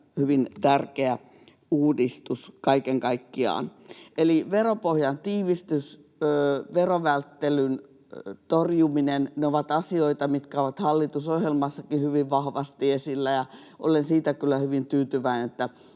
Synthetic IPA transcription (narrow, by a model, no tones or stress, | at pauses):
hyʋint̪ærkeæ | uːdist̪uskɑikeŋkɑikːiɑ̰ːneliʋeropohjɑnt̪iːʋist̪ys | øːʋeroʋælt̪ːelyn | t̪orjuminenneoʋɑt̪ɑsioit̪ɑmit̪kæoʋɑt̪hɑlːit̪usohjelmɑsːɑkihyʋiʋʋɑhʋɑst̪iesilːæjɑ | ʔo̰lensiːt̪ækylːˑæhyʋint̪yːt̪yʋæinet̪ːæ